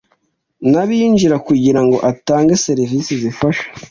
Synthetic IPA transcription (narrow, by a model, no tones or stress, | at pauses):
naβind͡ʒiɾakuɟiɾaŋɡo̞̰ʔataːŋɡese̞ɾivisizifaʃḁ